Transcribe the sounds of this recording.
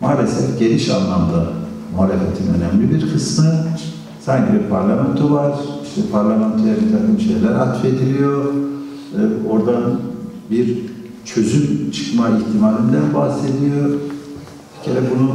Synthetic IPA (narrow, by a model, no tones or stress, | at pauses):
maːlʲesɛfɟe̞liʃa̰nlːˠamd̪a | muɦaːlʲefet̪ʰinø̞nɛmlʲibiɾkʰɯsmɯ | saɲcʰibiɾpʰaɾlˠamɛnt̪ʰuvaɾ̥iʃt̪ʰɛpʰaɾlʲˠamænt̪ʰojabit̪ʰakʰɯmʃe̞jlʲæɾat̪fed̪ilʲijo̞ | o̞ɾd̪anbiɾ | t͡ʃʰø̞zymt͡ʃʰɯ̥kmaiçt̪ʰimaːlʲind̪ænbahse̞d̪ijo̞ | hʰi̥cʰelʲɛbunu